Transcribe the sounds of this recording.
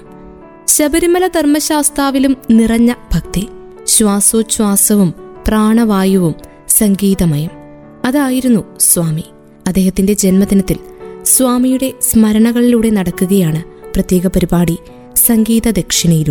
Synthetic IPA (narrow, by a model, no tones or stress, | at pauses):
ɕɐbɐɾimɐlɐd̪ʱɐrmɐɕaːst̪aːʋilumnirɐɲːɐbʱɐkt̪i | ɕʋaːsoːɕwaːsɐʋumpraːɳɐʋaːjɐʋum | sɐŋɡiːðɐmɐjɐm | ɐðaːjiɾunːusʋaːmi | ɐd̪ːe̞ːhɐt̪ːinde̞d͡ʑe̞nmɐd̪inɐt̪ːil | sʋaːmijuɽe̞smɐɾɐɳɐɣɐɭiluːɽe̞nɐɽɐkːuɣɐjaːɳɨ | prɐt̪je̞ːɣɐpɐɾibaːɽi | sɐŋɡiːðɐd̪ekʂiɳɐjiɾu